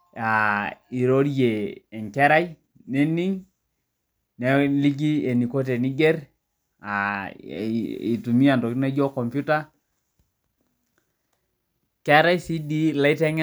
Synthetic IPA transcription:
a˨i˨ɾo˦ɾje˨ɛ˨ŋkɛ˦ɾa˦j | nɛ˦ni˦ŋ | nɛ˦li˦ɡ̬i˦e˨ni˨ko˦t̬e˨ni˦ɡɛ˦ɾ | a˨ | i˨tu˨mi˦a˨ntɔ˨ktnɛ˦d͡ʒɔ˦kɔ˨mpju˦ta˦ | kɛ˦ɾa˦jsi˦di˦la˦i˦tɛ˦ŋ

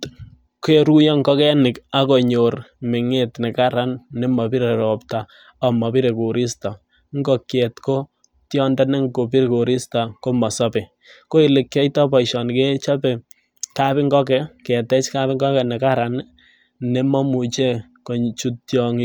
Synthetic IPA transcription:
ke˦ɾu˦jɔ˦ŋkɔ˦kɛ˦nɪ˨ka˦kɔ˨ɲo˨ɾmɪ˨ŋe˦tnɛ˨ka˦ɾa˦nːe˦mɔ˨pi˦ɾe˨ɾɔ˨ptaː˨ | mɔ˨pi˦ɾe˨ku˨ɾi˦sta˨ | ŋ˦ɡɔ˨kje˨tko˦ | tjɔ˦nda˦ne˦ŋko˨pi˦ɾko˨ɾɪ˦sta˨ko˦mɔ˨sɔ˦pɪ˨ | ko˦ɪ˨lɪ˨kːjɔ˦tɔ˦pɔ˨i˨ʃɔ˨nke˦t͡ʃa˦pɛ˨ | ka˦pɪ˦ŋɡɔ˦kɛ˦kɛ˨tɛ˦t͡ʃka˦pɪ˦ŋɡɔ˦kɛ˨nɛ˨ka˦ɾa˨n | ne˦mɔ˦mu˨t͡ʃe˦ | ko˨t͡ʃu˦tjɔ˦ŋ

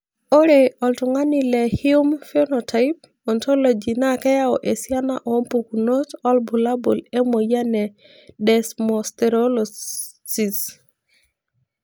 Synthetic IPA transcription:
o˦ɾe˨ɔ˨ltʊ˨ŋa˦ni˨lɛ˨hju˦mfe˦nɔ˨tʰa˨ɪp̚ | ɔ˨ntʰo˦lo˨d͡ʒi˨na˦kɛ˦ja˦ɔ˨ʔe˨sja˦na̰˦˨ʔɔ˨˦mpu˨ku˨no˦tɔ˦lbu˨la˦bo̰˨le˦mo˨ja˦nɛ˨ | dɛ˨smɔ˨stɛ˨ɾolɔ˨ | si˨s

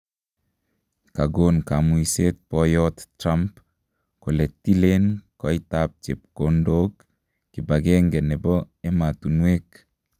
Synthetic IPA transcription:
ka˨ɡo˨nka˨mui˨se˦t̪̚pɔ˦jɔt̪tɾa˦mp | ko˨lɛ˨tːi˦le˦nkɔ˨˦itap̚t͡ʃe˨p̚ko˦ndo˦kː | i˨baɡe˦ŋɡɛ˨nɛ˨bɔ˦ | e˦ma˨t̪u˨nwe˦k

